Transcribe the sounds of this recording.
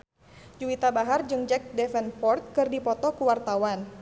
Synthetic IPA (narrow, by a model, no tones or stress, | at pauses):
d͡ʒuwit̪abaɦard͡ʒɨŋd͡ʒɛk̚dɛfɛnpɔrt̪̚kɨrdipɔt̪ɔkuwart̪awan